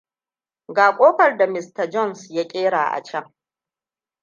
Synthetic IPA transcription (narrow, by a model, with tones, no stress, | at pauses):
ɡaː˨kʷʼoː˦ɸɐ˨rda˨mɪ˨stɐ˨d͡ʒɔ˦˨nsja˦kʲʼeː˦ɽaː˨ʔa̰˨t͡ʃɐ˦ŋ